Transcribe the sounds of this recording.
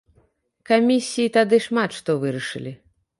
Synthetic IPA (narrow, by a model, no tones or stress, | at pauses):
kamʲisʲːijit̪ad̪ɨʂmat̪ʂt̪ɔvɨɾɐʂɨ̰lʲi